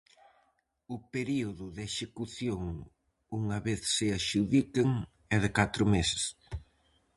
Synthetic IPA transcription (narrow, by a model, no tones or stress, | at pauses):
ʊpeɾiʊðʊðeʃekuθjoŋ | uŋɐβeθsɪaʃuðikɪŋ | ɛðɪkat̪ɾʊmesɪ̥s